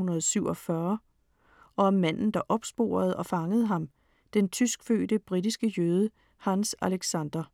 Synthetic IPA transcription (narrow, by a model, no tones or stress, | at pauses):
unɐðˠsyʊ̰ɒ̽fɶɐ | ɒ̽ɒmmæn̰n̩d̥ɑ̈ʔɒ̽b̥sb̥o̝̰ːɐð̞̩ˠɒ̽fɑ̈ŋəð̞̩ˠɦɑ̈m | d̥ent͡sʰysɡ̥fø̰ːd̥əb̥ʁid̥isɡ̥əjøːð̞ˠə | hɑnsæleɡ̥sænd̥ɐ